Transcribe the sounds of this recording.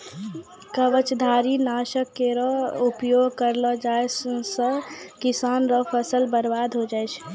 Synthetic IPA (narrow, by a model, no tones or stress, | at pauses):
kəʋət͡ʃd̪ʱaːɾinaːʃəkːeɾɔupjoːɡkəɾləd͡ʒaːessəkɪsaːnɾɔpʰəsəlbəɾbaːd̪ʱɦod͡ʒaːjt͡ʃʰ